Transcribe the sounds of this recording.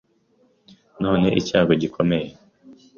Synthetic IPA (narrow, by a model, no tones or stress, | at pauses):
no̞ːne̞ʔicaːɡoɟikʰo̞me̞je